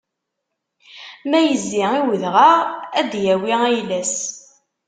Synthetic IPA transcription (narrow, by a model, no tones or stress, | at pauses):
mæjəzːiiwəðʁaʁæd̪jæwiæjlæs